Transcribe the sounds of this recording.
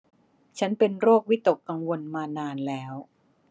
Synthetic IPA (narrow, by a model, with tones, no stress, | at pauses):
t͡ɕʰa˦˥npe˧nɾoː˥˩k̚wi˦˥t̪o˨˩kːa˧ŋwo˧nmaː˧naː˧nlɛː˦˥w